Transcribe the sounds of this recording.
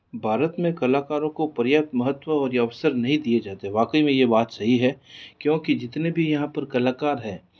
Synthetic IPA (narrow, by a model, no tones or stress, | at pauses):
bʱaːɾət̪mẽkɐlaːkaːɾõkopɐɾjap̚t̪mɐɦət̪ːʋəɔːɾjɐʋsəɾnɐɦĩd̪ied͡ʒaːt̪eɦɛ̃ʋaːkəimẽjebaːt̪sɐɦiɦɛkjõːkid͡ʒɪt̪nebʱijɐɦãpɐɾkɐlaːkaːɾɦɛː